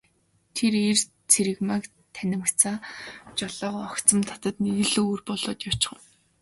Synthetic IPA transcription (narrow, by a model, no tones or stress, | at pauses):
t̪ʰeɾer | t͡sʰeɾɘ̆ɣmak | t̪ʰænʲɪ̆m̆ʰt͡saːt͡ɕɔɮɔːʁʊɔkt͡sə̆mt̪ʰḁt̪ə̆t̪niɣɘ̆ɮoːrpɔɮɔ̰ːt̪jḁt͡ɕɪ̥̆χə̆w